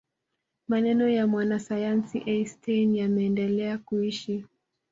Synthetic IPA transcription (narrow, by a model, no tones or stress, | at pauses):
manɛnɔjamwanasajansḭʔɛstʰenjamɛːndɛlɛakuiʃi